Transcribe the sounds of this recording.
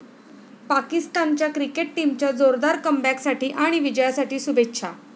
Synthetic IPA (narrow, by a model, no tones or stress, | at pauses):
pakist̪ant͡ɕjakɾikeʈ̚ʈimt͡ɕjad͡zoɾd̪aɾkəmbæksaʈiːʔaɽ̃iʋid͡ʑəjasaʈiːsubʱetːɕʰa